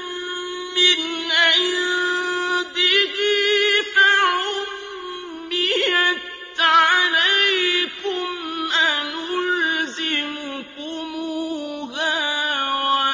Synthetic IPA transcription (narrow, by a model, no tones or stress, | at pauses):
mɪnʔaj | d̪ɪɣifaʕʊmː | ɪat̪ʕalajkʊmʔanʊlzɪmʊkʊmʊha | wa